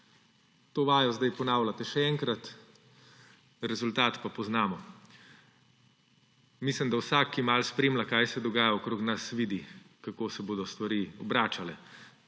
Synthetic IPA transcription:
t̪oːʋaːjɔzd̪ajpɔnaːwlat̪ɛʃɛɛŋkɾat̪ | ɾɛzult̪aːt̪papɔznaːmɔ | mislimd̪awsaːkʰːimalspɾeːmlakajsɛd̪ɔɡaːjaɔkɾoːknasʋiːd̪i | kakoːsɛboːd̪ɔst̪ʋaɾiːɔbɾaːt͡ʃalɛ

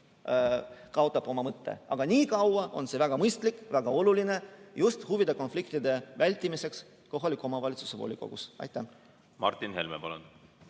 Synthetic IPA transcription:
kɑot̪ːˑɑb̥o̞mɑmɤt̪ːe̞̰ɑ̰ɡ̥ɑnʲiːkɑwɑʔo̞̰nse̞væɡ̥ɑmɤjst̪likvæɡ̥ɑo̞luline̞just̪huvid̪̥eko̞nflikt̪id̪̥e̞vælʲt̪ːˑimise̞ks | ko̞ɦɑlʲikːˑuo̞mɑvɑlʲit̪su̥se̞vo̰ːlʲiko̞̰ɡ̥ṵsɑ̰jt̪ːˑæ | mɑ̰rt̪ːˑinɦḛlmepɑlṵn

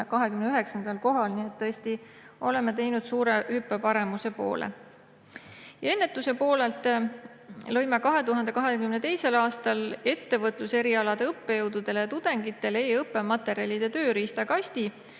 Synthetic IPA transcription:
kɑɦekymneyɦe̞ksɑnd̪̥ɑlko̞ɦɑlniet̪ːɤesʲt̪i | o̞le̞mːet̪e̞jnud̪̥suːɾehypːe̞pɑɾe̞muse̞po̰ːlʔḛ | jɑe̞nːe̞t̪ːˑuse̞po̞ːle̞lt̪ | lɤ̞jmekɑɦe̞t̪uɦɑnd̪̥e̞kɑɦe̞kymnet̪e̞jse̞lɑːst̪ɑle̞t̪ːe̞vɤt̪ˑluse̞ɾiɑlɑd̪̥eɤpːe̞jɤwd̪̥ud̪̥e̞lejɑt̪ud̪̥e̞ŋɡ̥it̪ˑːe̞le̞ːɤpːe̞mɑt̪ːˑe̞ɾiɑlʲid̪̥e̞t̪ø̞ːɾiːst̪ɑkɑst̪i

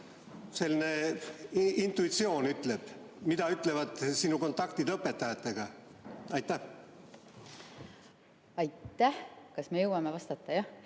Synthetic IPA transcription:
se̞lʲːine̞ | int̪ˑuit̪sio̞ːnyt̪ːˑle̞b̥ | mid̪ɑyt̪ːˑle̞vɑd̪̥sinuko̞nt̪ːˑɑkt̪id̪ɤpːˑet̪ːɑjɑt̪ˑːe̞ɡ̥ɑɑjt̪ːˑæh | ɑjt̪ːˑæhkɑsmejɤwɑmevɑst̪ɑt̪ːˑɑjɑ

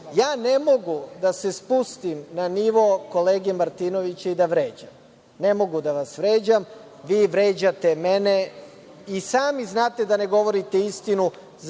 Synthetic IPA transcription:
jaːne̞mo̞ɡud̪ase̞spust̪imnaniʋoko̞le̞ːɡemaɾt̪ino̞ʋit͡ɕeid̪aʋɾe̞ːd͡ʑam | ne̞mo̞ɡud̪aʋasʋɾe̞ːd͡ʑam | ʋiːʋɾe̞ːd͡ʑat̪emene | isaːmiznaːt̪e̞d̪ane̞ɡo̞ʋo̞ɾit̪eist̪inu | z

